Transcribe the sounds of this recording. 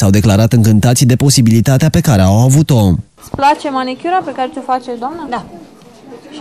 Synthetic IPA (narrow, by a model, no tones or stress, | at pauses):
sawd̪e̞klaɾat̪ɨŋkɨnt̪at̪sʲd̪e̞po̞sibilit̪at̪eape̞kaɾe̞awavut̪o̞ | splat͡ʃe̞manikʲjuɾape̞kaɾet̪ʲo̞fat͡ʃesʲd̪oamnə